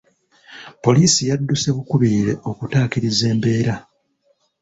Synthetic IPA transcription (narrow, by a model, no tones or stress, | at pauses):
po̞liːsijadːuse̞βukuβiːɾe̞ʔo̞kutaːkiɾize̞ːmbe̞ːɾa